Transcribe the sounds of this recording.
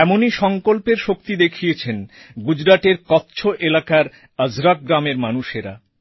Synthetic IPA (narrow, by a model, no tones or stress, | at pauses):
ɛmoniʃɔŋkolpeɾʃokt̪id̪ekʰijet͡ɕʰenɡud͡ʑɾaʈ̪eɾkɔt̪ːɕʰoʔelakaɾ | əd͡ʑɾak̚ɡɾameɾmanuʃeɾa̰